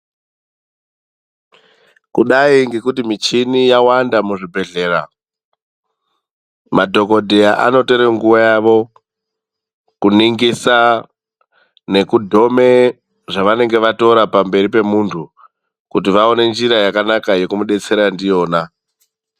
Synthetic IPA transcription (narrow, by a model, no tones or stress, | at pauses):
kuɗaiŋɡe̞kutimit͡ʃinijawandamuʐibʱe̞ɮe̞ːra | madʱo̞ko̞dʱeaʔa̰no̞to̞ɾeŋɡuʋajaʋo̞ | kuniŋɡisa | ne̞kudʱo̞me̞ | ʐaʋane̞ŋɡe̞ʋato̞ɾapambe̞ɾipe̞muntʰu | kut̬iʋao̞ne̞nd͡ʒiɾajakanakaje̞kumuɗe̞t͡se̞ɾandijo̞ːna